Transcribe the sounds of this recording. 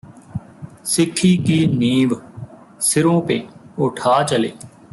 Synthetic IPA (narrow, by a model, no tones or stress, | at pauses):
sɪkʰːiːkiːniːʋ | sɪɾõːpeːʊʈʰaːt͡ʃəlḛː